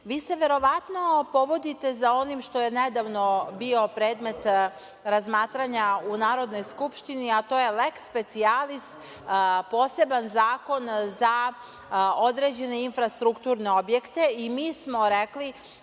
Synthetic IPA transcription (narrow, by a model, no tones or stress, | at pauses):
ʋiːse̞ʋe̞ɾo̞ʋat̪no̞po̞ʋod̪it̪e̞zao̞nimʃt̪o̞jened̪aʋno̞bio̞pɾe̞ːd̪me̞t̪ | ɾazmaːt̪ɾaɲaunaːɾo̞d̪no̞jskupʃt̪iniat̪o̞jelekspe̞t̪sialist̪ | po̞ːse̞banzaːko̞nza | o̞d̪ɾe̞d͡ʑe̞ne̞infɾast̪ɾukt̪uːɾne̞o̞bje̞kt̪e̞imiːsmo̞ɾekli